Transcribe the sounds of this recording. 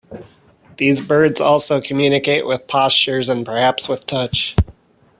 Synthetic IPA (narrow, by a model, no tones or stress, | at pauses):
ðizbɜ˞dzɔlˠsoʊkʰɨmjʉnɨkeɪʔwɪð̥pʰɑst͡ʃə˞zɨ̃npʰə˞hæpswɨð̥tʰʌt͡ʃ